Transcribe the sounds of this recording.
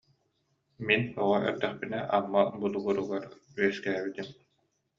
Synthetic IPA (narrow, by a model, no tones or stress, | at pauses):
minɔʁɔɛ̰ɾd̪ɛχpinɛʔamːabulˠuɡuɾuɡaɾyɛskæːβit̪im